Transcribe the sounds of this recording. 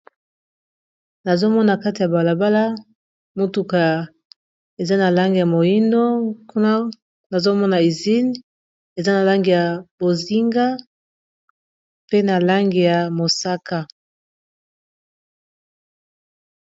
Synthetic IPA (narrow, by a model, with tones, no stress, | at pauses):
na˨zo˦mɔ˦na˨ka˦ti˨ja˨ba˨la˨ba˦la˦ | mo˦tu˨ka˨ | e˨za˦na˨la˦ŋɡi˨ja˨mo˨ji˦ndo˦ku˦na˦ | na˨zo˦mɔ˦na˨i˨zi˦n | e˨za˦na˨la˦ŋɡi˨ja˨bo˨zi˦ŋɡa˦ | pe˦na˨la˦ŋɡi˨ja˨mo˨sa˦ka˦